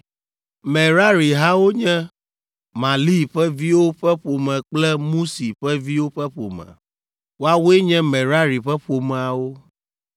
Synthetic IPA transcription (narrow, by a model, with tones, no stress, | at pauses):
mɛ̃˨ɾa˦ɾi˨ɦa˦wo˦ɲɛ̃˦ | mã˨li˦ɸɛ˦vi˦wo˦ɸɛ˦ɸo˨mɛ̃˨k͡plɛ˦mũ˦si˨ɸɛ˦vi˦wo˦ɸɛ˦ɸo̰˨mɛ̰̃˨ | wo˦a˦wo˦e˦ɲɛ̃˦mɛ̃˨ɾa˦ɾi˨ɸɛ˦ɸo˨mɛ̃˨a˨wo˦